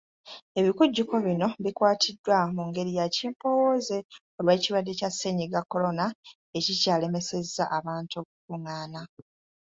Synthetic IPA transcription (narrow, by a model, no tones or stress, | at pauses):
e̞βikuɟːuko̞βino̞βikwaːtʰidːwamuŋɡe̞ɾijaciːmpo̞wo̞ze̞o̞lweːciβwadːe̞casːeɲiɡakːo̞ɾo̞na | e̞cicaːle̞me̞se̞zːaʔaβaːntokukuŋaːna